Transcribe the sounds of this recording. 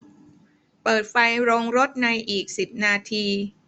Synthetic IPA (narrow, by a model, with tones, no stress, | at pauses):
pɤː˨˩t̪̚fa˧jɾo˧ŋɾo˦˥t̪̚na˧jʔiː˨˩k̚si˨˩p̚naː˧t̪ʰiː˧